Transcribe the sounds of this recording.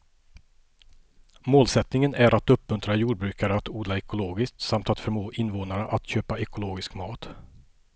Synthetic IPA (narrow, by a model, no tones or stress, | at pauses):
moːlsɛt̪nɪŋənʔæɾʔat̪ɵpmɵnt̪ɾajuːɖbɾʉ̟ːkaɾəat̪uːd̪laɛkʊloːɡɪsk̚t̪samt̪at̪fœɾmoːʔɪnvoːnaɾəʔat̪ɕøːpaɛkʊloːɡɪskmɑːt̪